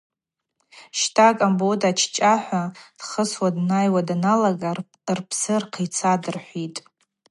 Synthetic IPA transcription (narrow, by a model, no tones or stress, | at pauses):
ʃtʰʼakʼambodʼat͡ʃʰt͡ʃʼaħʷad̥χəswadnajwadanalaɡa | rpʰsɨrqʰit͡sʰadɨrħʷitʼ